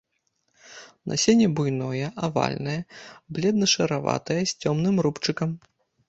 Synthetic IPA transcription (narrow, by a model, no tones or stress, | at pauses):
nʔɐ̰sʲenʲɛbujnɔjɐʔava̰lʲnɐjɐblʲɛd̪nɐʂɐɾava̰t̪ɐjɐsʲt͡sʲɔmnɨmɾupt͡ʂɨkɐm